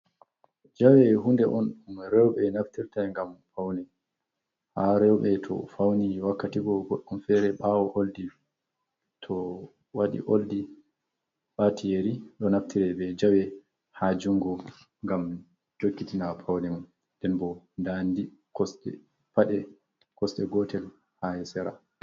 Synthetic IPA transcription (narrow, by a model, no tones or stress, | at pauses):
d͡ʒawɛɦundɛʔɔnumɾɛwɓɛnaftiɾtaŋɡamfawnɛ | haɾɛwɓɛtʰɔ̰fawniwakːatiɡɔɡɔɗːɔmfɛɾɛɓawɔʔoldi | tʰɔ | waɗḭʔoldi | ɓatʰijeɾiɗɔnaftiɾɛbɛd͡ʒawɛ | had͡ʒuŋɡɔ | ŋɡam | d͡ʒokːitinapʰawnɛmun | dɛnbɔ | ndandi | kɔsɗɛ̰ | paɗɛ | kɔsɗɛɡɔtʰɛl | hajɛsɛɾa̰